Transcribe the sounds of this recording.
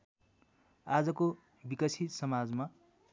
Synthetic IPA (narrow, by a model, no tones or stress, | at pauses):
ad͡zʌko | bikʌsʰit̪sʌmad͡zma